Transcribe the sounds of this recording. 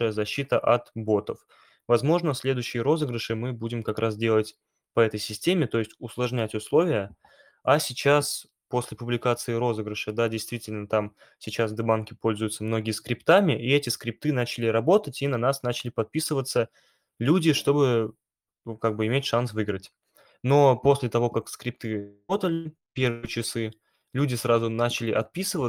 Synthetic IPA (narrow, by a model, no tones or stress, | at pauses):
əjəzɐɕːit̪əʔɐt̪bo̞t̪əf | vɐzmo̞ʐnəsʲlʲe̞d̪ʊjɕːɪjəɾo̞zɨɡɾəʂɨmɨbudʲɪmkɐkɾʔasdʲe̞lˠətʲ | pəɛt̪əjsʲɪsʲtʲemʲɪt̪o̞jɪsʲtʲʊslˠɐʐnʲætʲʊslˠo̞vʲɪjə | ɐsʲɪt͡ɕas | po̞sʲlʲɪpʊblʲɪkat̪sɨɪɾo̞zɨɡɾəʂəd̪adʲɪjst̪vʲitʲɪlʲnət̪am | sʲɪt͡ɕasvd̪ɨbankʲɪpo̞lʲzʊjʊt̪səmno̞ɡʲɪəskɾʲɪpt̪amʲɪʔiɛtʲɪskɾʲɪp̚t̪ɨnat͡ɕɪlʲɪɾɐbo̞t̪ətʲinɐnasnat͡ɕɪlʲɪpɐt̪̚pʲisɨvət̪sːə | lʲudʲɪʂt̪o̞bɨ | kaɡ̚bɨɪmʲetʲʂansvɨɡɾətʲ | no̞po̞sʲlʲɪt̪ɐvo̞kakskɾʲɪpt̪ɨ | o̞t̪əlʲɪ | pʲe̞rvɨjət͡ɕɪsɨ | lʲudʲɪsɾazʊnat͡ɕɪlʲɪʔɐt̪̚pʲisɨvə